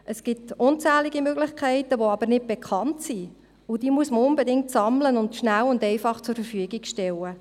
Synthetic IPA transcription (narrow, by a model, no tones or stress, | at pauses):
ʔəsɡ̥ɪtʊnt͡sæːliɡimøɡlɪχkʰɛɪtəʋoɑbəɾnɪd̚b̥ekʰɑntsi | ʊd̥iːmuəsməʊnbɛdɪŋ̚tsɑmlənʊntʃnælːʊndɛɪfɑχt͡sʊɾfəɾfyəɡiɡʃtɛlə